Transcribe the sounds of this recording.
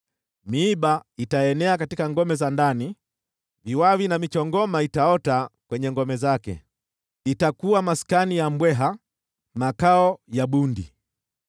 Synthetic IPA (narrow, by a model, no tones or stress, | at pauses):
miːɓaitaɛnɛakatikaŋɡɔmɛzandani | viwawinamit͡ʃɔŋɡɔmaitaɔtakwɛɲɛŋɡɔmɛzakɛ̰ | itakuwamaskanijam̩bwɛɦa | makaɔjaɓundi